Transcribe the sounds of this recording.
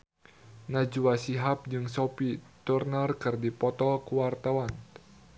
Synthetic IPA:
nad͡ʒuasiɦap̚d͡ʒɨŋsopit̪urnarkɨrdipɔt̪ɔlkuwart̪awan

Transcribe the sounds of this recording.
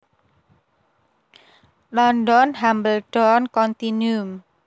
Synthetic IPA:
lɔndɔnɦambəlɖ̥ɔnkɔnt̪inum

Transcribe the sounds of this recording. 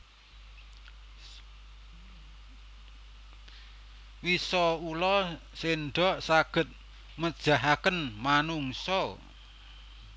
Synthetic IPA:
wisɔulɔ | senɖɔʔsaɡ̥ə̤t̪̚ | məd̥ʒ̥a̤ɦakənmanuŋsɔ

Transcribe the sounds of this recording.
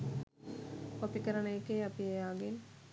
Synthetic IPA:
opikɐɾɐɳejkːeɐpijejaːɡin

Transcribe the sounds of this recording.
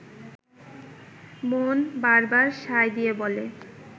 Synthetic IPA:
monbaɾbaɾʃajd̪ijebole

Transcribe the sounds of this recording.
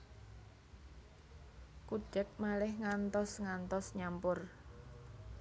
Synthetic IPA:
kud̥ɛk̚malɪhŋant̪ɔsŋant̪ɔsɲampʊr

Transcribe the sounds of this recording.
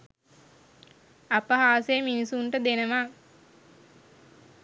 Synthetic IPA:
apəɦaːsejminisuɳʈəd̪enəʋa

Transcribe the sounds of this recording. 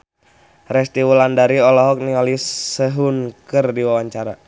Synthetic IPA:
rɛst̪iwulandaɾiɔlɔɦɔk̚niŋalisəɦunkərdiwawaɲt͡ʃaɾa

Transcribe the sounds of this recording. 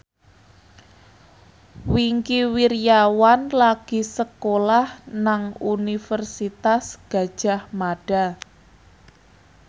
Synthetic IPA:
wiŋkiwiɾjawanlaɡ̥i̤səkolahnaŋunifərsit̪asɡ̥a̤d̥ʒ̥a̤hmaɖ̥a̤

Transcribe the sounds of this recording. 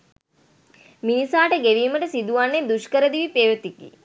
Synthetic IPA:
minisaːʈəɡeʋiːməʈəsid̪uʋanːed̪uʃkəɾəd̪iʋipeːʋət̪ikːḭ

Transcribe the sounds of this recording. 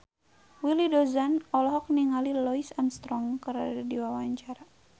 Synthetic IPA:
wilidɔzanɔlɔɦɔk̚niŋalilɔisanst̪ɾɔŋkəɾadadiwawaɲt͡ʃaɾa

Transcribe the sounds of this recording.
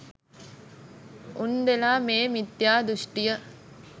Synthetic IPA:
ʔund̪elaːmeːmit̪jaːd̪uʂʈijɐ

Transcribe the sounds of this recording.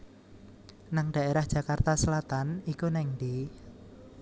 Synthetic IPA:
naŋɖ̪̥a̤ʔeɾahd̥ʒ̥ä̤kart̪asəlat̪anikunɛŋd̪i

